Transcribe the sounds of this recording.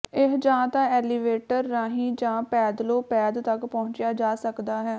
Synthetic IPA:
ɪɦd͡ʒãːt̪ãːɛːliʋeːʈəɾːãːɦĩːd͡ʒãːpɛːd̪loːpɛːd̪t̪əkpɔʊ̃ɲt͡ʃjaːd͡ʒaːsəkd̪aːɦɛː

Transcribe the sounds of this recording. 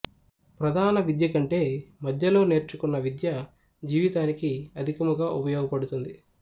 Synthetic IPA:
pɾɐd̪ʱaːnɐʋid̪jɐkɐɳʈe̞ːmɐd̪ʱjɐlo̞ːne̞ːɾt͡ʃukunːɐʋid̪jɐ | d͡ʒiːʋit̪aːnikiɐd̪ʱikɐmɐɡaːʔupɐjɔːɡɐpɐɽut̪und̪i

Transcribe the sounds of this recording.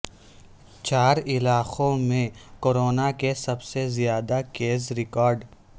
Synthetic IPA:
t͡ʃaːɾɪlaːqõmẽkoːɾoːnakesɐbsezijaːd̪akeːz̬ɾɪkɔːɾɖ

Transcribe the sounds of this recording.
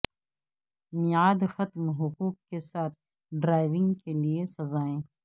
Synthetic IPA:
mɪaːd̪xɐt̪mɦʊquːk̚kesaːt̪̚ | ɖɾaːɪʋɪ̃ŋɡkeliesɐzaːẽː

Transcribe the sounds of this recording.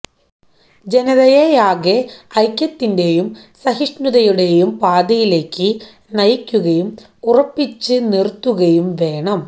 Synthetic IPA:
d͡ʑe̞nɐðɐjejaːɣeɐjkʲːjɐt̪ːinde̞jumsɐɦiʂnuðɐjuɽe̞jumpaːd̪ɐjile̞ːkːɨ | nɐjkʲːuɣɐjum | urɐpːit͡ɕːɨnirt̪ːuɣɐjumʋe̞ːɳɐm

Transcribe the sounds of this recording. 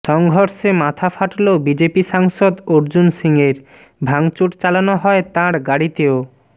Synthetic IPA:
ʃɔŋɡʱoɾʃemat̪ʰafaʈlobid͡ʑepiʃaŋʃod̪oɾd͡ʑunsiŋeɾ | bʱaŋt͡ɕuʈt͡ɕalanoɦɔet̪ãɾɡaɽit̪eo

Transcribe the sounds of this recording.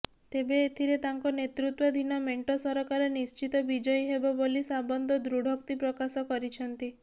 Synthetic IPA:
t̪ebeːt̪ʰiɾet̪aŋkɔnet̪ɾut̪wɔd̪ʱinɔmeɳʈɔsɔɾɔkaɾɔnist͡ʃit̪ɔbid͡ʒɔjɦebɔbolisabɔnd̪ʱɔd̪ɾuɽʱɔk̚t̪ipɾɔkasɔkɔɾit͡ʃʰɔnt̪i

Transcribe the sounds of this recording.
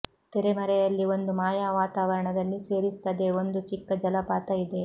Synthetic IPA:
t̪ɛɾemɐɾɛjɐlːio̞nd̪umaːjaːʋaːt̪aːʋɐɾɐɳɐd̪ɐlːise̞ːɾist̪ɐd̪eo̞nd̪ut͡ʃikːɐd͡ʒɐlɐpaːt̪ɐid̪e̞

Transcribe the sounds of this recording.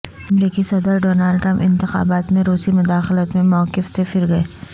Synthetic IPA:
ɐmɾiːkisɐd̪əɾɖoːnaːlɖʈɾɐ̃mpɪ̃nt̪ɪxa̰ːbaːt̪mẽɾuːsimʊd̪aːxɪlət̪mẽmɔːkɪfsefɪɾɡɐeː

